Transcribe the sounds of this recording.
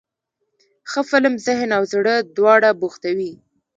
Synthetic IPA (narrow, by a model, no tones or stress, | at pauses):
xəfɪlmzɪɦnawzɽəd̪wɑɽabuxt̪awi